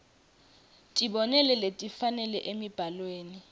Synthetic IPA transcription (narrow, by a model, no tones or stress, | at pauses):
tʼiɓɔnɛlɛletʼifanɛlɛʔemib̥ʱalweːni